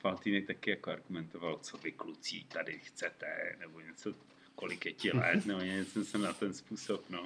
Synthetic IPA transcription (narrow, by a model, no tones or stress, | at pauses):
falt̪inɛk̚t̪akɪjakoaɾɡumɛnt̪ovalt͡sovɪklut͡sḭːt̪adɪxt͡sɛt̪ɛ̰nɛboɲɛt͡so | kolɪkjɛcɪlɛ̰t̪nɛboɲɛɲɛt͡sɛmsɛmnat̪ɛnspuːsopno